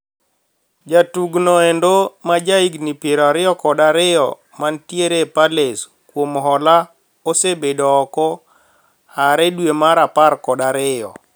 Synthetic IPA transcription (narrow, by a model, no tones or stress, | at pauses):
d͡ʒatuɡnɔɛndomad͡ʒaiɡnipeɾaɾɪɔkɔdaɾɪjɔ̰ | mantjeɾepales | kwomɦɔla | osebedɔːkɔ | haɾɛdwemaɾaparkɔdaɾɪjɔ̰